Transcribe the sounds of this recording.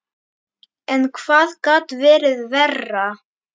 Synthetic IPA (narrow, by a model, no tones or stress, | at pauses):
ɛnkʰv̥aːðkaːt̪vɛːɾɪðvɛrːa